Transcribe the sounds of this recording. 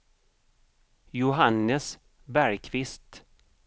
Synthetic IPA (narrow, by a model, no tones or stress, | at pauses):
jʊɦanːəs | bæɾjkʰvɪst̪